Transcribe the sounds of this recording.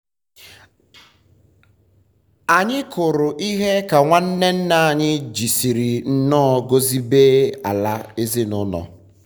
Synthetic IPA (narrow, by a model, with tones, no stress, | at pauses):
a˨ɲɪ˦kʊ˨ɾʊ˨ʔi˦ɦe˦ka˨ŋʷa˦n̩˦ne˦n̩˦na˨a˨ɲɪ˦d͡ʒi˨si˨ɾi˨n̩˦nɔ˦˨˦ɡo˦zi˦beː˦a̰˨la˦e˦zɪ˦nʊ˦nɔ̰˨